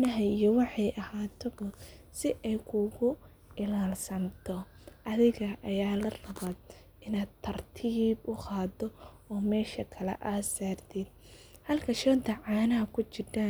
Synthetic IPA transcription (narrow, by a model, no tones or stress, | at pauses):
nɐɦɐijɔwɑħɑjʔɐhaːt̪ʰɔbɐsɪʔɛjkʰʊɣʊ | ɪlaːlsɐnt̪ʰɔ | ʔɐðɪɣɐʔɐjaːlɐrɐβaːd̪ | ɪnaːd̪t̪ʰːɐrt̪ʰiːbʊqɑːd̪ɔ | ɔːmɛːʃɐkʰɐlɛ̰ʔaːsaːrt̪ʰid̪̚ | hɐlkʰɐʃɔːnt̪ʰɐʕɑːnɐɦɐkʰʊt͡ʃɪdaːn